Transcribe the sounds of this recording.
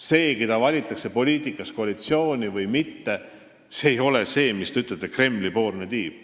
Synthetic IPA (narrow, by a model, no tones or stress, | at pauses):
se̞ːkijt̪ɑvɑlʲit̪ːˑɑkse̞po̞lʲiːt̪ˑikːˑɑsko̞ɑlit̪sio̞ːnʲivɯjmit̪ːe̞ | seejo̞lese̞ːmist̪e̞yt̪ːˑlet̪ːˑekre̞mːlipo̞ːrnet̪iːb̥